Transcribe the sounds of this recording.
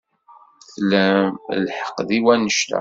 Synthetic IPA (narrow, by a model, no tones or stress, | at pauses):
θlæmlħə̥qːðiwænəʃt̪æ̰